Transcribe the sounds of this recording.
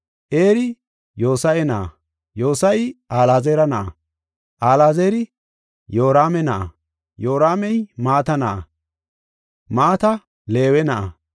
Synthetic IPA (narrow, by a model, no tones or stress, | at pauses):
ʔeːɾɪ | jo̞ːsɐjɛnɐʔɐ̰ | joːsɐjʔaːlaːzeːɾɐnɐʔɐ̰ | ʔaːlaːzeːɾɪ | joːɾaːmɛnɐʔɐ̰ | jo̞ːɾaːmɛjmaːt̪ɐnɐʔɐ | maːt̪ɐ | leːwɛnɐʔɐ